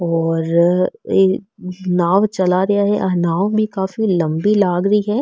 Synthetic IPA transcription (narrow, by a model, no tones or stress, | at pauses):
ɔːɾeːnaːʋt͡ʃɐlaɾɐjaɦɛʔanaːʋbʱikaːfilɐ̃mbilaːɡɾɐiɦɛː